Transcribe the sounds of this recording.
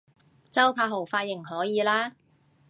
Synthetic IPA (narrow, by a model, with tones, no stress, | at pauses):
t͡sɐ˥wpʰaː˧ɦo˨˩wfaː˧t̚jɪ˨˩ŋɦɔː˨˥jiː˨˧laː˥